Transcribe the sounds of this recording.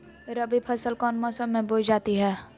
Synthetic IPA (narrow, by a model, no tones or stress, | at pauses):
ɾəbipʰəsəlkɔːnmɔːsəmːẽboːd͡ʒd͡ʒaːt̪iɦɛː